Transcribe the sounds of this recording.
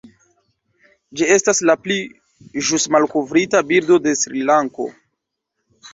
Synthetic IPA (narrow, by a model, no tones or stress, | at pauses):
d͡ʒie̞staslapli | ʒusmalkovɾitabiɾdo̞de̞sɾilaŋko̞̰